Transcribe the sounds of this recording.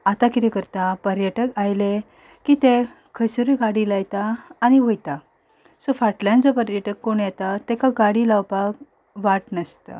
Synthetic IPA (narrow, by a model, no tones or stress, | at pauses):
at̪akit̪ekəɾt̪apəɾjəʈəkajle | kit̪e | kʰəsuɾiɡaɽilajt̪aːñiʋojt̪a | sofaʈljãnd͡zɔpəɾjəʈəkːoɳjet̪at̪ɛkaɡaɽilawpak | ʋaʈnəst̪ə̰